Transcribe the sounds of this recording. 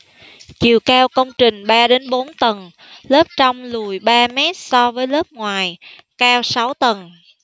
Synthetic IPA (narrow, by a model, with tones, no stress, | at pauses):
t͡ɕi˨˩˨wkaː˧wkə˧wŋ͡mt͡ɕï˨˩ŋ̟ɓaː˧ɗe˨˦nɓo˨˦nt̪ə˨˩n | lə˦˥p̚t͡ɕa˧wŋ͡mlu˨˩jɓaː˧mɛ˦˥t̚sɔ˧vəː˨˦jləː˦˥p̚ŋwaː˨˩jkaː˧wsa˨˦wt̪ə˨˩n